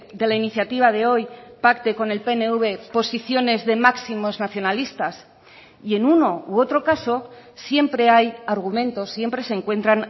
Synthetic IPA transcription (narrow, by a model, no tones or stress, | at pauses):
d̪e̞lainiθjat̪iβ̞að̞e̞o̞jpakt̪e̞ko̞ne̞lpe̞ne̞uβ̞e̞po̞siθjo̞ne̞zðe̞maksimo̞znaθjo̞nalist̪as | ie̞nuno̞uo̞t̪ɾo̞kaso̞ | sje̞mpɾe̞ajaɾɣ̞umẽ̞nt̪o̞sːje̞mpɾe̞seŋkwe̞nt̪ɾan